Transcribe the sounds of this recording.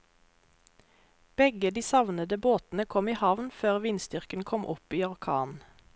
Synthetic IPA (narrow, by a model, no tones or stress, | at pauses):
b̥ɛɡəd̪iːsɑʋnəd̪əboːt̪n̩əkʰɔmiːhɑʋnføːʁʋiːnsd̪ʏʁkənkʰɔmʔɔ̰piːɔʁkʰɑ̰ːn